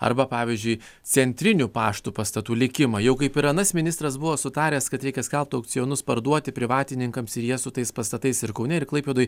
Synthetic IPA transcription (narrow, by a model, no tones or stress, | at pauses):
ɐ̰ɾbɐpɑːʋʲiːzʲd͡ʒʲʊɪ | t͡s̪ʲɛnʲt̪ʲɾʲɪnʲupɑːʃt̪upɐst̪ɐt̪uːlʲɪkʲɪmɐjɛʊkɐɪpɪɾɐnɐsmʲɪnʲɪst̪ɾɐsbʊʋoːsʊt̪ɑːɾʲɛːskɐt̪ɾʲɛɪkʲɛskʲɛlˠp̚t̪ɐʊk̚t͡s̪ʲɪjoːnʊspɐɾd̪uɔt̪ʲɪpʲɾʲɪʋɑːt̪ʲɪnʲɪŋkɐmsɪɾjiɛsʊt̪ɐɪspɐst̪ɐt̪ɐɪsɪɾkɐʊnʲɛɪɾklˠɐɪpʲeːd̪oːj